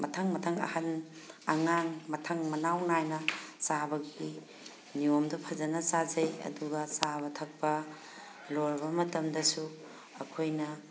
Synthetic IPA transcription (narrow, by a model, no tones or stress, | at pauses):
mʔɐtʰɐŋmɐtʰɐŋɐ̰hɐn | ɐŋaŋmɐtʰɐŋmɐnawnajnɐsabɐɡi | niomdɐpʰɐzɐnɐsazɐjɐ̰duɡɐsabɐtʰɐk̚pɐ | loɾbɐmɐtɐmdɐsu | ɐkʰojnɐ